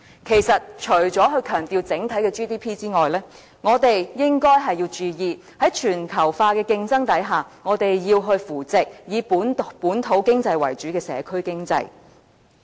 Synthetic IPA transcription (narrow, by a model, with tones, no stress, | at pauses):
kʰe˨˩jsɐ˨t̚t͡ʃʰɵ˨˩ɥt͡sɔː˨˥ɦɵ˧ɥkʰœː˨˩ŋt̪iː˨˧wt͡sɪ˨˥ŋt̪ʰɐ˨˥jkɛː˧t͡ʃiː˥t̪iː˥pʰiː˥t͡siː˥ŋɔː˨jlɛː˥ | ŋɔː˨˧t̪e˨jjɪ˥ŋkɔː˥jɦɐ˨jiː˧wt͡ʃyː˨jiː˨˧ | hɐ˨˥jt͡ʃʰyː˨˩nkʰɐ˨˩wfaː˧kɛː˧kɪ˧ŋt͡sɐ˥ŋt̪ɐ˨˥jɦaː˨˩ŋɔː˨˧t̪e˨jjiː˧wɦɵ˧ɥfuː˨˩t͡sɪ˨k̚jiː˨˧puː˨˥npuː˨˥nt̪ʰo˨˥wkɪ˥ŋt͡sɐ˧jwɐ̰˨˩jt͡ʃyː˨˥kɛː˧sɛ̰ː˨˧kʰɵ˥ɥkɪ˥ŋt͡sɐ̰˧j